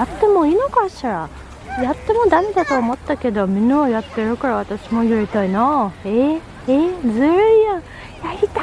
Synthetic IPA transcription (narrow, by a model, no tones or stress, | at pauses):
jat̪ːe̞mo̞iːno̞kaɕt̪aɾa | jat̪ːe̞mo̞d̪ame̞d̪at̪o̞ːmo̞t̪ːake̞d̪o̞mʲinɯojat̪ːe̞ɾɯ̟kaɾaβ̞at̪aɕimo̞joɾʲit̪ainoe | ezɨjɯ̃ | jaɾit̪a